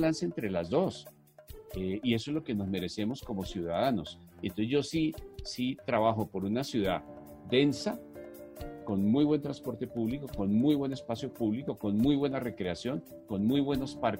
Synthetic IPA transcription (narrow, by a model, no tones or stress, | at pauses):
lansent̪ɾe̞lazd̪o̞s | eie̞s̬oe̞zlo̞ke̞no̞zme̞ɾe̞se̞mo̞sko̞mo̞sjuðaðano̞s | ent̪osezd͡ʒosisit̪ɾaβaxo̞po̞ɾunasjuða | d̪e̞nsa | ko̞nmujβwe̞nt̪ɾanspo̞ɾt̪e̞puβliko̞ko̞nmujβwe̞ne̞spasjo̞puβliko̞ko̞nmujβwe̞nare̞kɾe̞asjo̞ŋ | ko̞nmujβwe̞no̞spaɾ